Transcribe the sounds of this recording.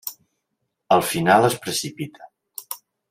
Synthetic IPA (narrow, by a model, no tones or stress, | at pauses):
əlˠfinalˠəspɾəsipit̪ʰə̥